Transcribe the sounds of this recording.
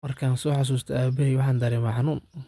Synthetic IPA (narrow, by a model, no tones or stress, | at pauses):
mɐrkʰaːnsɔːħɑs̬uːst̪ʰɐaːbɪhɛjwɑħɑːnd̪ɐɾɛːmɐħɑnuːn